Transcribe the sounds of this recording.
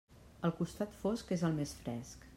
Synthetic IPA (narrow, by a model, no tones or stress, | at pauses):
əlˠkust̪at̪foskezəlˠmesfɾɛ̰sk